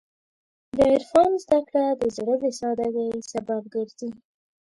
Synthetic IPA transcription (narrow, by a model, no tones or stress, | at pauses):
d̪əɪɾfɑnzd̪akɽad̪əzaɽəbesɑd̪aɡ̪ajsabab̚ɡəɾzi